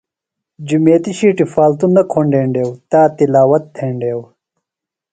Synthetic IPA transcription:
d͡ʑumeːt̪iɕiːʈifaːlt̪unːɐkʰoɳɖeːɳɖeːwt̪aːt̪ilaːwɐt̪̚t̪ʰːeːɳɖeːw

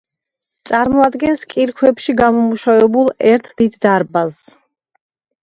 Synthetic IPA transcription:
t̪sʼaɾmɔad̪ɡɛnskʼiɾkʰwɛpʃiɡamɔmuʃavɛbulˠɛɾt̪ʰd̪id̪ːaɾbas

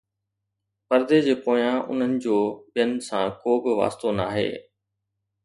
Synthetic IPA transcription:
pɐɾd̪ed͡ʑeːkoːjãʔʊ̰n̤ənɪ̆d͡ʑoːbɪjənɪ̆sãːkoːbɪʋa̰ːst̪onaːɦḛː

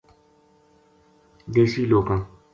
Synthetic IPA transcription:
desilokã

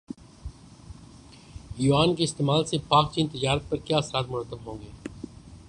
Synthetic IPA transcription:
juːaːnkeɪst̪eːmaːlsepaːk̚t͡ʃiːnt̪ɪd͡ʒaːɾət̪̚pɐɾkjaːɐsɾaːt̪mʊɾət̪ːəbɦõːŋɡeː

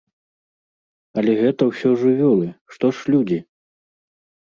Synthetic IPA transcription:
ɐlʲɛɣɛt̪ɐwsʲɔʐɨvʲɔlˠɨʂt̪ɔʂlʲud͡zʲi

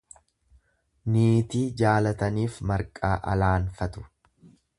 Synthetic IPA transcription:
niːt̪iːd͡ʒaːlɐt̪ɐniːfmɐɾkʼaːʔɐ̰laːnfɐt̪ʊ̥

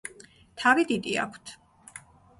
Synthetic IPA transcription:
t̪ʰavid̪id̪ia̰kʷʰt̪ʰ

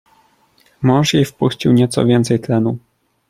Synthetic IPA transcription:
mɔ̃w̃ʂjejfpuɕt͡ɕiwɲɛt̪sɔ̰vʲjɛnt̪sɛjt̪lɛnu

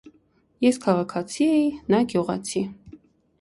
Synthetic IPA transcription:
jɛskʰɑʁɑkʰɑt͡sʰiɛjinɑɡjuʁɑ̰t͡sʰi

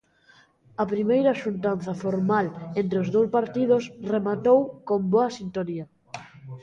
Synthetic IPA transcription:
ɐpɾimejɾɐʃunt̪̬an̟θɐfoɾmalent̪ɾeozðowspaɾt̪iðosremat̪owkomboɐsint̪oniɐ

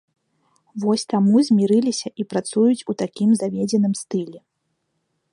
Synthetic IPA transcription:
vɔsʲt̪amuzʲmʲiɾɨlʲisʲɐʔipɾat̪sujut͡sʲut̪akʲimzavʲed͡zʲɛnɨmst̪ɨlʲɛ

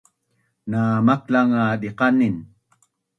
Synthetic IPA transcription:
naːmaklaŋaːdiqɑnin

